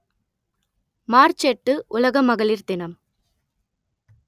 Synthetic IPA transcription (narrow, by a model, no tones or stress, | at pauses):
maːɾt͡ʃɛʈːɯʔʊlɐɣɐmɐɣɐɭɪɾd̪ɪnɐm